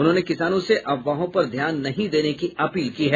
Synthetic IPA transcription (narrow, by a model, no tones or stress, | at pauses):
ʊnɦõːnekɪsaːnõseʔɐʋːaːɦõpɐɾd̪ʱjaːnːɐɦĩd̪eːnekiɐpiːlkiːɦɛː